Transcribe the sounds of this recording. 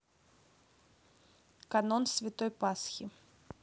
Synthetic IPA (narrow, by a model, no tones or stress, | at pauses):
kanɔnsʲvʲɪt̪ɔjpasxʲi